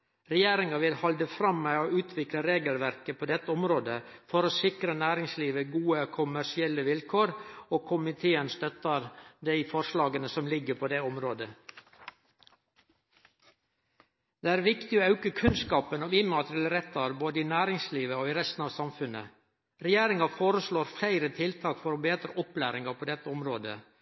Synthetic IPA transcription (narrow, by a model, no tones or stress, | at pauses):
ɾɛjeːɾɪŋɑʋɪlhɑld̪əfɾɑmːæoːʉːt̪ʰʋɪkləɾeːɡəlʋæɾkəpʰoːd̪ɛt̪ːəɔmɾoːd̪əfɔɾoːsɪkɾənæːɾɪŋsliːʋəɡuːəkʰʊmæʂɪɛlːəʋɪlkʰoːɾoːkʰʊmɪt̪ʰeːənst̪œt̪əɾd̪æɪfɔɾʂlɑːɡənəsɔmlɪɡːəpʰoːd̪ɛɔmɾoːd̪ə | d̪eːæːɾʋɪkt̪ɪoːɑʉkəkʰʉnskɑːpənɔiːmɑt̪ɾɪɛləɾɛt̪ːɑɾboːd̪əiːnæːɾɪŋsliːʋəoːiːɾɛst̪n̩ɑːʋsɑmfʉnə̰ | ɾɛjeːɾɪŋɑfoːɾəsɭoːɾflæɪɾət̪ʰɪlt̪ʰɑːkfɔɾoːbeːd̪ɾəʔɔplæ̰ːɾɪŋɑpʰoːd̪ɛt̪ːəɔmɾoːd̪ə̰